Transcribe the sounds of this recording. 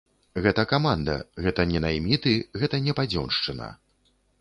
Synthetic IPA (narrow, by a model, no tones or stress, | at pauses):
ɣɛt̪ɐkamand̪ɐ̰ɣɛt̪ɐnʲɛnajmʲit̪ɨɣɛt̪ɐnʲɛpad͡zʲɔ̰nʂt͡ʂɨnɐ̰